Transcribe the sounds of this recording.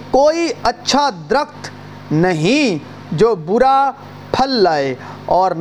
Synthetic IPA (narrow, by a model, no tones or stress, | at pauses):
koːiɐtːʃʰad̪ɾəkt̪ʰ | nɐɦĩ | d͡ʒoːbʊɾa | pʰɐlːaːe | ɔːɾn